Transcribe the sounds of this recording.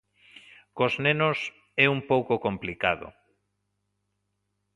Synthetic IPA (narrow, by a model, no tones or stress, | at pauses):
koznenos | ɛumpowkokomplikaðo̰